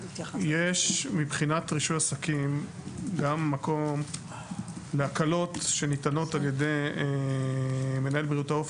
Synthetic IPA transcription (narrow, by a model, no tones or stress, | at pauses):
jeʃmibχinatʁiʃutasakimɡamːako̞m | leakalo̞tʃe̞nit̪ano̞talje̞d̪e̞je | me̞nae̞lbʁiutaof